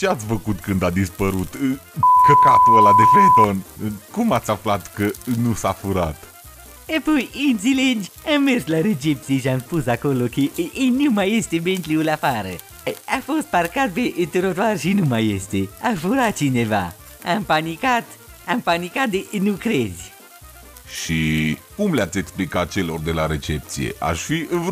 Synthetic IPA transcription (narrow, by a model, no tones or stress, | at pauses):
t͡ʃeat̪sʲfəkut̪kɨnd̪ad̪ispəɾut̪kəkat̪uəlad̪efet̪onkumat̪sʲaflat̪kənusafuɾa̰t̪ | epojɨnt̪siledʲamːe̞rslaɾed͡ʒep̚t̪sieʃiamspusako̞lokeʔnumaje̞st̪ebent̪liulafaɾə | afo̞st̪̚parkat̪̚peʔt̪eɾot̪oarʃinumajest̪eafuɾat̪̚t͡ʃine̞va̰ | ampanikat̪ | ampanikat̪̚d̪eʔnukɾe̞zʲ | ʃʃikumleat̪sʲe̞ksplikat̪̚t͡ʃe̞lord̪e̞laɾe̞t͡ʃe̞p̚t̪sije̞̰ʔa̰ʃfiɨnv